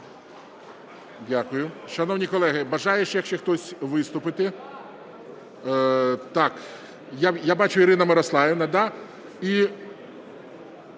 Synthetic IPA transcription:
dʲakʊjʊʃɐnɔwnʲijkɔlˠɛɦɪbɐʒɑjeʃjɐkʃt͡ʃɛxt̪ɔsʲʋɪst̪ʊpɪt̪ɪ | t̪ɑk | jajabɑt͡ʃʊiɾɪnɐmɪɾɐslˠɑjɪnɐd̪ɑ | i

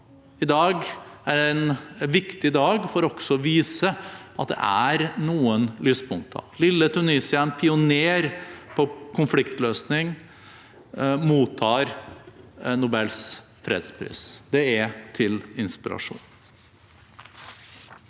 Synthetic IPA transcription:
ɪd̪ɑːɡæɖɛnʋɪkt̪ɪd̪ɑːɡfɔɾɔɡsɔʋiːsəɑt̪̚d̪ɛ̰ʔæɾnuːənlyːspʰʊŋkt̪ʰɑ̰ʋlɪlːət̪ʰʉniːsɪɑnpʰɪʊneːɾpʰɔkʰʊnflɪkt̪løːsnɪŋ | muːt̪ʰːɑːɾ | nʊbɛls | fɾḛːd̪spʰɾḭːsd̪ɛɛt̪ʰɪlɪnspɪɾɑ̰ʂṵːn

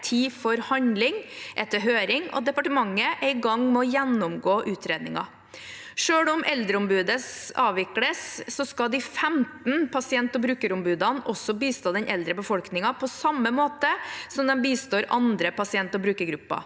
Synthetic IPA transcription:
t̪ʰiːfɔɾhɑɲd̪lɪŋʔɛt̪ːəɾɦøːɾɪŋɔ̰d̪ɛpɑʈəmɑŋːəʔæɪɡɑŋmɛɔjɛnːʊmɡoːʔʉːt̪ʰɾeːd̪nɪŋɑ̰ | ʂøːɽɔmʔɛld̪ɾəʊmbʉːd̪əsɑːʋɪkləsːɔskɑd̪ɪfɛmt̪n̩pʰɑsɪɛnt̪ɔbɾʉːkəɾʊmbʉːd̪ɑnɔsɔbiːst̪oːd̪ɛnʔɛld̪ɾəbəfɔlknɪŋɑpʰɔsɑmːəmoːt̪əsɔmd̪ɛmbiːst̪oːɾʔɑnd̪ɾəpɑsɪɛnt̪ɔbɾʉːkəɾɡɾʉpːɑ̰

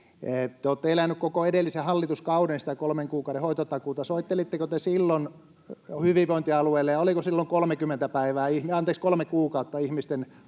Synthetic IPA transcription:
ett̪ːeoːt̪ːeelænːykkokoedelːisehɑlːit̪uskɑudensi̥t̪ækolmeŋkuːkɑˑuɾehoit̪ot̪ɑkuːt̪ɑsoit̪ːelit̪ːekot̪esilːon | hyʋiʋoint̪iɑlueilːejɑolikosilːoŋkolmekymːent̪æpæiʋæːihmɑnt̪eːkskolmekuːkɑut̪ːɑihmist̪en

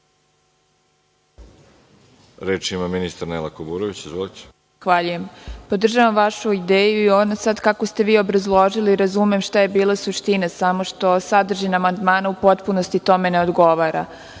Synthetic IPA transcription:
ɾeːt͡ʃimaminist̪aɾnelakobuːɾoʋit͡ɕizvʋolit͡ɕe̥ | xʋaʎuje̞mpo̞d̪r̩ʒaʋamʋaʃuid̪eːjuionasad̪kakost̪e̞ʋiːo̞bɾazlˠo̞ʒiliːɾazumemʃt̪aje̞biːlˠasuʃt̪inasamo̞ʃt̪o̞sad̪r̩ʒinamand̪maːnaupo̞t̪puno̞st̪it̪o̞me̞ne̞o̞d̪ɡo̞ʋaɾa̰

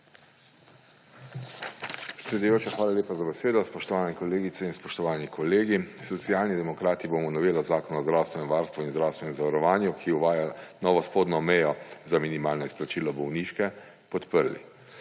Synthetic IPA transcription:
pɾɛt̪sʲɛd̪ujoːt͡ʃaxʋaːlaljeːpazabɛseːd̪ɔspɔʃt̪ɔʋaːnɛkɔleːɡit̪sɛinspɔʃt̪ɔʋaːnikʰɔleːɡisɔt̪sijaːlnid̪ɛmɔkɾaːt̪iboːmɔnɔʋeːlazaːkɔnɔzd̪ɾaːwst̪ʋɛnɛmʋaːɾst̪ʋuinzd̪ɾawst̪ʋɛnɛmzaʋaɾɔʋaːnjukʰiuʋaːjanɔːʋɔspoːd̪nɔmɛjɔzaminimaːlnɔisplat͡ʃiːlɔbɔwniːʃkɛ | pɔt̪pəɾlḭ

